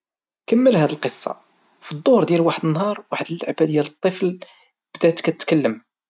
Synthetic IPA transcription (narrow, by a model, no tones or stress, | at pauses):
kəmːəlhæd̪əlqəsˤːɑ̰ | fid̪ˤːohɾd̪jælwaħəd̪ənːɦɑɾˤwaħəd̪əlːa̰ʕbæd̪jælət̪ˤːəfl | b̥d̪æt̪kæt̪ət̪kəlːəm